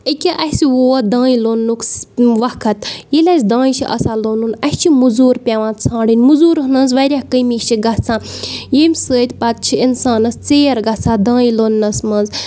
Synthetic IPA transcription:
əkʲiʔɐhsiʋoːd̪ãːĩloːnːukʋɐkʰɐt̪jilʲɐsʲd̪ãːĩt͡ʃʰiʔɐ̰saloːnuːnɐst͡ʃʰimuzuːɾpʲaʋãːt̪t͡sʰãːɽinʲmuzuːɾɦɨnɐnzʋɐɾʲaːkəmiːt͡ʃʰiɡɐt͡sʰãːjemʲsəːt̪ʲpɐt̪̚t͡ʃʰiinsaːnɐst͡seːɾɡɐt͡sʰaːd̪ãːĩloːnːɐsmɐnz

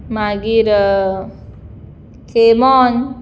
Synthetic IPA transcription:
maɡiɾ | kʰemɔn

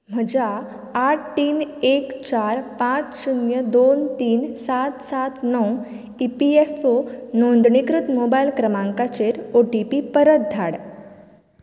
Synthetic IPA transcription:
m̤əd͡ʑaː | ʈ̚t̪iːnekt͡ɕaɾpãt͡ssunjəd̪ont̪iːnsat̪sat̪nɔw | ipiefonond̪ɳikɾut̪mobailkɾəmãŋkat͡ɕeɾoʈipipəɾət̪̚d̪ʱaɽ

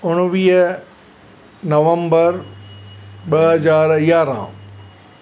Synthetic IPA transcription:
ʊɽ̃ʋiːɦə | nɐʋə̃mbəɾ | ɓɐɦɐzaːɾijaːɾã̰ː

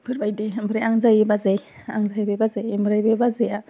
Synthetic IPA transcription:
b̥ɯɾbajdebɯɾeaŋzajbazeja̰ŋzajbebazejmbɯɾajbebazeja

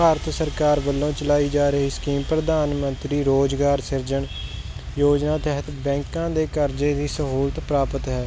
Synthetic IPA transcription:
baːɾt̪ʰsəɾkaːɾʋəlːõːt͡ʃəlaːiːd͡ʒaːɾəɦiːskiːmpɾəd̪aːnmənt̪ɾiːɾoːd͡ʒɡaːɾsɪɾd͡ʒəɳ | joːd͡ʒnãːt̪ɛɦət̪bɛ̃ːŋkãːd̪eːkəɾd͡ʒeːd̪iːsəɦuːlt̪pɾaːpət̪ɦɛː

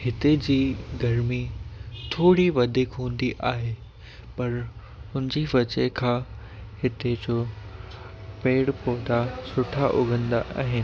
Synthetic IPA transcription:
hɪt̪ed͡ʑiːɡɐɾmit̪ʰoːɽiʋɐd̪ʱɪkɦũːn̆d̪iʔaːɦe | pɐɾ | ʊ̃nɪd͡ʑiʋɐt͡ɕekʰãː | hɪt̪ed͡ʑoː | peːɽpoːd̪asʊʈʰaʔʊɡʱə̃nd̪aʔa̰ːɦɪnɪ̆

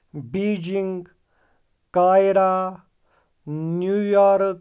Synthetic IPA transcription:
biːd͡ʒiŋɡ | kaːjɾa | njujaɾ

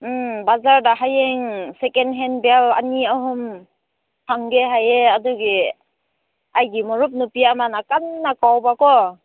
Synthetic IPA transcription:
bazaɾdaɦajeŋsekenɦenbela̰niaɦum | hʰaŋɡeɦajeaduɡi | ajɡimɔɾup̬̚nupiamanakanːakawbakɔ

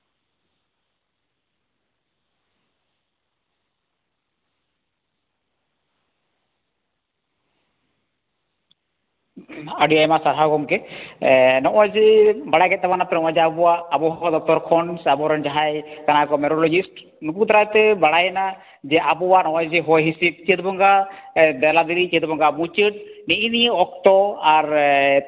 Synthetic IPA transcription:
aɖiajmasaɾɦaɡɔmkɛ | nɔʔɔjd͡ʒibaɽajɡɛt̪̚t̪ɛbanap̪ɛnɔ̃ʔɔ̃jd͡ʒɛabɔwaːbɔɦɔd̪ɔk̚t̪ɔɾkʰɔnsabɔɾɔnd͡ʒaɦajkanakɔmɛɾɔlɔd͡ʒisʈ | nuput̪ɾajt̪ɛbaɽajna | d͡ʒɛabɔwanɔ̃ʔɔ̃jd͡ʒɛɦɔjɦĩsit̚t͡ʃət̪̚bɔŋɡad̪ɛlad̪ilit͡ʃiət̪bɔŋɡamut͡ʃəʈ̚niʔiniɔk̚t̪ɔaɾ

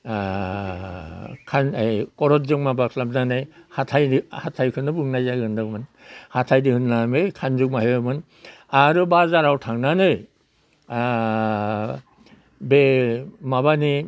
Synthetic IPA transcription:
kʰanjkɔɾɔt̚zɯŋmabakʰlap̚nanɯjhatʰajdihatʰajkʰɯnːɯbɯŋnajzaɡɯndɯmɯn | hatʰajdikʰɯnlamejkʰanzuk̚maheɯmɯn | aɾɯbazaɾawtʰaŋnanɯj | bemabani

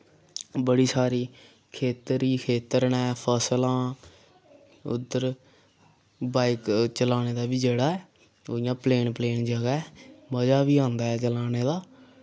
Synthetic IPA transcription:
bəɽiːsaːɾiː | kʰeːt̪ɾiːkʰeːt̪əɾnɛ̃ːpʰəslãː | ʊ̰d̪ːəɾ | baːɪkt͡ʃəlaːneːd̪aːbiːd͡ʒeːɽaːɛː | oːɪjãːpleːnpleːnd͡ʒəɡaɛːməd͡ʒaːʋiːãːnd̪aːɛːt͡ʃəlaːneːd̪aː

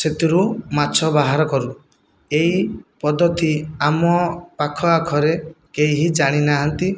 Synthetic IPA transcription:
set̪iɾumat͡ʃʰɔbaɦaɾɔkɔɾu | eipɔd̪ɔt̪iamɔpakʰɔakʰɔɾekejɦid͡ʒaɽ̃inaɦɔnt̪i

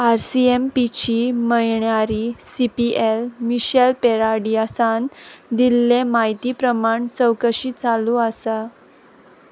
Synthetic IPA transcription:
aɾsiempit͡ɕiːməjɳjaɾisipiʔelmiɕelpeɾaɽiasand̪ilːemaɦit̪iːpɾəmaɳt͡səwkəɕiːt͡saluːəsa

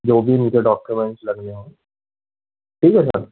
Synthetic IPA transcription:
d͡ʒoːbʱimud͡ʒeɖɔːkjumɛ̃ɳʈslɐɡneɦõː | ʈʰiːkɦɛsə̰ɾ

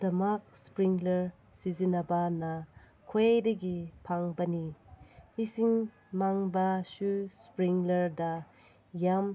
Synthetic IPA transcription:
dɐmak̚spɾiŋlɐɾ | sizinɐbɐnɐ | kʰoejdɐɡipʰaŋbɐni | isiŋ | maŋbɐsuspɾiŋlɐɾdɐ | jam

